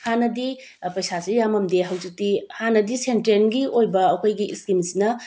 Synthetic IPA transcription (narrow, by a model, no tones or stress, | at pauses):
hanɐdi | pɐjsasijamɐmdeɦɐwzik̚tihanɐdisentɾenɡiojbɐɐkʰojɡiskimsinɐ